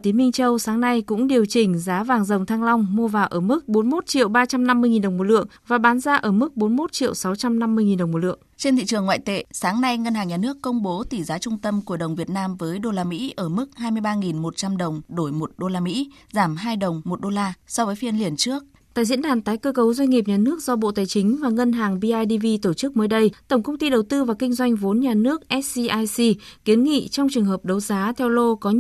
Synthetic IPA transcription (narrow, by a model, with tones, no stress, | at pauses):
t̪i˨˦nmï˧ŋ̟t͡ɕə˧wsaː˨˦ŋna˧jkʊ̰˧˥ŋ͡mɗi˨˩əwt͡ɕï˨˩ŋ̟zaː˨˦vaː˨˩ŋzə˨˩wŋ͡mt̪ʰaː˧ŋla˧wŋ͡mːu˧əvaː˨˩wʔəː˧˩mɨ˦˥k̚ɓo˨˦nmo˦˥t̚t͡ɕḭ˧˨əwɓaː˧t͡ɕa˧mna˧mːɨ˧əjŋi˨˩nɗə˨˩wŋ͡mmo˨˩lɨ̰˧˨əŋvaː˨˩ɓaː˨˦nzaː˧ʔəː˧˩mɨ˦˥k̚ɓo˨˦nmo˦˥t̚t͡ɕḭ˧˨əwsa˨˦wt͡ɕa˧mna˧mːɨ˧əjŋi˨˩nɗə˨˩wŋ͡mmo˨˩lɨ̰˧˨əŋt͡ɕe˧nt̪ʰḭ˧˨t͡ɕɨ˨˩əŋːwa̰ː˧˨jt̪ḛ˧˨saː˨˦ŋna˧jŋə˧nhaː˨˩ŋɲa˨˩nɨ˦˥əkːə˧wŋ͡mɓo˨˦t̪i˧˩zaː˨˦t͡ɕʊ˧ŋ͡mt̪ə˧mku˧˩əɗə˨˩wŋ͡mvi˨˩ət̚naː˧mvəː˨˦jɗo˧laː˧mḭ˧˥ʔəː˧˩mɨ˦˥k̚haː˧jmɨ˧əjɓaː˧ŋi˨˩nmo˨˩t̚t͡ɕa˧mɗə˨˩wŋ͡mɗo˧˩jmo˨˩t̚ɗo˧laː˧mḭ˧˥ | zaː˧˩mɦaː˧jɗə˨˩wŋ͡mmo˨˩t̚ɗo˧laː˧sɔ˧vəː˨˦jfi˧ənli˨˩ənt͡ɕɨ˦˥ək̚ | t̪a̰ː˧˨jzḭ˧˥ənɗaː˨˩nt̪aː˨˦jkəː˧kə˨˦wzwa˧j̟ŋi˨˩p̚ɲaː˨˩nɨ˦˥ək̚zɔ˧ɓo̰˧˨t̪aː˨˩jt͡ɕï˨˦ŋ̟vaː˨˩ŋə˧nɦaː˨˩ŋvi˧ʔaː˧jɗi˧vi˧t̪o˧˩t͡ɕɨ˦˥k̚məː˨˦jɗə˧jt̪ə˧˩wŋ͡mkə˧wŋ͡mt̪i˧ɗə˨˩wt̪ɨ˧vaː˨˩kï˧ŋ̟zwa˧jŋ̟vo˨˦nɲaː˨˩nɨ˦˥ək̚ʔɛ˦˥t̚si˧ʔaː˧jsi˧ki˨˦ənŋḭ˧˨t͡ɕɔ˧wŋ͡mt͡ɕɨ˨˩əŋɦəː˨˩p̚ɗə˨˦wzaː˨˦t̪ʰɛ˧wlo˧kɔ˨˦